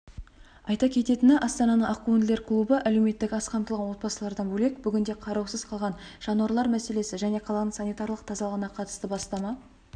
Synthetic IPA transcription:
ɑjt̪ɑkʲʰe̞t̪e̞t̪ɪnɪʔɑst̪ɑnɑnəɴɑkːund̪le̞ɾkʰlˠubəʔæle̞wme̞t̪ːɪkʲɑsqʰɑmt̪əlˠʁɑnwo̞t̪̚bɑsəlˠɑɾd̪ɑnbɵle̞k̚bʏɡʲɪnd̪e̞qʰɑɾɑwsəz̥qʰɑlˠʁɑnʒ̥ɑnwɑɾlˠɑɾmæse̞le̞sɪʒæne̞qʰɑlˠɑnəɴsɑnijt̪ɑɾlˠəq̚t̪ʰɑzɑlˠʁənɑqʰɑt̪ə̥st̪əbɑst̪ɑmɑ

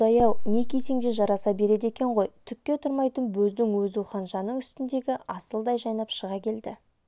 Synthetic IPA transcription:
ɑjɑwne̞kʲʰese̞ŋd̪e̞ʒɑɾɑsɑbe̞ɾe̞d̪e̞kʲe̞ɴʁo̞jt̪ʰʏk̚ʲkʲːe̞t̪ʰʊɾmɑjt̪ənbɵzd̪ɪŋwɵzuwχɑnʒɑnəɴʏst̪ɪnd̪e̞ɡʲɪʔɑsəlˠd̪ɑjʒɑjnɑpʃəʁɑkʲʰe̞ld̪ɪ̰

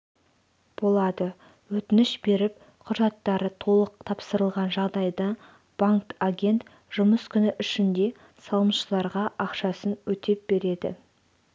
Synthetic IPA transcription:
b̥o̞lˠɑd̪ə | wɵt̪ɪnɪʃbe̞ɾɪp | qʰʊʒɑt̪ːɑɾət̪ʰo̞lˠəq̚t̪ʰɑpsəɾəlˠʁɑnʒɑʁd̪ɑjd̪ə | b̥aŋktaɡʲe̞nt̪ | ʒ̥ʊməskʲʰʏnɪʔʏʃɪnd̪e̞ | sɑlˠəmʃəlˠɑɾʁɑʔɑqʃɑsənwɵt̪e̞p̚b̥e̞ɾe̞d̪ɪ̰

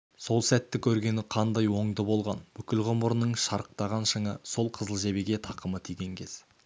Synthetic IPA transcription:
so̞lˠsæt̪ːɪkʲʰɵɾɡʲe̞nɪqʰɑnd̪ɑjwo̞ɴd̪əbo̞lˠʁɑnbʏkʲɪlʁʊmbəɾnəɴʃɑɾəq̚t̪ɑʁɑnʃəɴəso̞lˠqʰəzəlˠʒe̞beɡʲe̞t̪ʰɑqəmət̪ʰijɡʲe̞ŋkʲʰe̞z̥

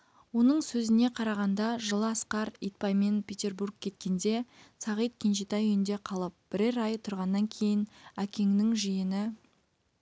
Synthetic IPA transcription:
wo̞nəɴsɵzɪne̞qʰɑɾɑʁɑnd̪ɑʒəlˠəɑsqɑɾijt̪̚pɑjme̞npʲʰet̪ʲe̞rburɡ̚kʲʰe̞t̪̚kʲe̞nd̪e̞sɑʁijt̪̚kʲʰenʃit̪ɑjʏjɪnd̪e̞qʰɑlˠəp̚b̥ɪɾeɾɑjət̪ʰʊɾʁɑnːɑŋkʲʰe̞jɪnækʲe̞ŋnɪŋʒijɪnɪ

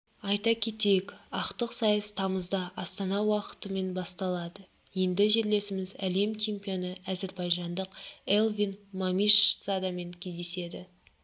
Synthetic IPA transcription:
ɑjt̪ɑkʲʰe̞t̪ejekʲɑqt̪əqsɑjəst̪ʰɑməzd̪ɑʔɑst̪ɑnɑwɑqə̥t̪əme̞nbɑst̪ɑlˠɑd̪ə | je̞nd̪ɪʒe̞ɾle̞sɪmɪzæle̞mt͡ʃʰe̞mpijo̞nəæze̞ɾbɑjʒɑnd̪əqelˠvinmamiʃsad̪ɑme̞ŋkʲʰe̞zd̪e̞se̞d̪ɪ

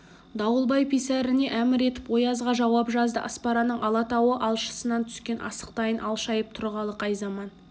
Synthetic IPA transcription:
d̪ɑwəlˠbɑjpʰisæɾɪne̞ʔæmɪɾe̞t̪ɪpwo̞jɑzʁɑʒɑwɑpʒɑzd̪əʔɑspɑɾɑnəɴʔɑlˠɑt̪ɑwəʔɑlˠʃə̥sənɑnt̪ʰʏ̥skʲe̞nʔɑ̰sə̥q̚t̪ɑjənʔɑlˠʃɑjəp̚t̪ʰʊɾʁɑlˠəqʰɑjzɑmɑn

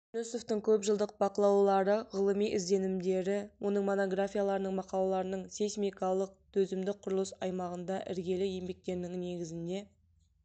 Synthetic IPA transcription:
nusoft̪əŋkʲʰɵpʒəlˠd̪əq̚bɑqəlˠɑwlˠɑɾəʁəlˠəmijʔɪzd̪e̞nɪmd̪e̞ɾɪwo̞nəɴmo̞noɡrafʲijalˠɑɾənəɴmɑqɑlˠɑɾənəɴsejsmʲijkɑlˠəq̚t̪ʰɵzɪmd̪ɪqʰʊɾəlˠəsɑjmɑʁənd̪ɑʔɪ̰ɾɡʲe̞lɪje̞mbe̞k̚t̪e̞ɾnɪŋne̞ɡʲɪzɪnd̪e̞

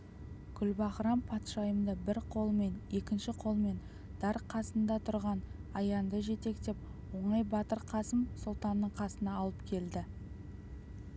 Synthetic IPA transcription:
kʲʰʏlbɑχəɾɑmpʰɑt̪ʃɑjəmd̪əbɪɾqʰo̞lˠme̞ne̞kʲɪnʃɪqʰo̞lˠme̞n | d̪̥ɑɾqʰɑsənd̪ɑt̪ʰʊɾʁɑnɑjɑnd̪əʒe̞t̪e̞kt̪e̞p̚ | wo̞ɴɑjbɑt̪əɾqʰɑsəmsʊlˠt̪ɑnːəɴqʰɑsənɑːlˠəpkʲʰe̞ld̪ɪ

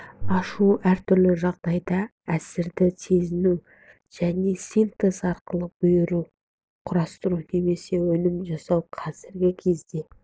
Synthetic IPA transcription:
ɑʃuæɾt̪ʰʏɾlɪʒɑʁd̪ɑjd̪ɑ | æsɪɾd̪ɪse̞zɪnuw | ʒ̥æne̞sijnt̪ezɑɾqəlˠəq̚b̥ʊjəɾu | qʰʊɾɑst̪əɾune̞me̞se̞wɵnɪmʒɑsɑwqʰɑzɪɾɡʲɪkʲʰe̞zd̪e̞

